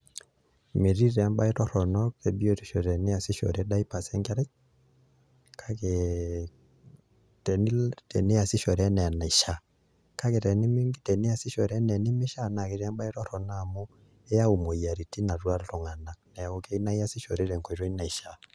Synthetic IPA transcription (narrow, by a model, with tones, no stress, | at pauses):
mi˨ɾi˦ɾɛ˨˦mɓa˦i˦tɔ˦ɾɔ˨nɔ˦ke˨bi˦o˦tu˨˦ʃo˨ɾɛ˨nɪ˦a˨sɪ˦ʃɔ̰˨ɾɛ˦ɗa˦i˦pa˨sɛ˦ŋɡɛ˦ɾɛ˦k | kʰa˦ke˨ | tɛ˨ni˦tɛ˨ne˦a˨sɪ˦ʃɔ˨ɾɛ˦nɛ˨a˨na˨i˨ʃa˨ | ka˦ke˨tɛ˨ni˦mi˦ŋɡi˦tɛ˨ne˦a˨sɪ˦ʃɔ˨ɾɛ˦nɛ˨nɪ˦mɪ˦ʃa˦˨na˨ke˨˦ɾa˦mɓa˦i˦tɔ˦ɾɔ˨na˦˨mu˦ | e˦ja˦u˨mo˨ja˨ɾi˨ti˦na˨twa˦ltɔ˨ŋa˨na˨k̚nɛ˨o˨ke˦i˦na˦i˦a˦sɪ˦ʃo̰˨ɾe˦ɾɛ˨ŋkɔ˨˦ɾo˦i˦na˨i˨ʃa˨